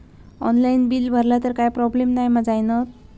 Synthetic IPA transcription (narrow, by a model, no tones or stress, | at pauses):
ɔ̰nlainbiːlbʱəɾlat̪əɾkajpɾɔblemnajməd͡zajnət̪̚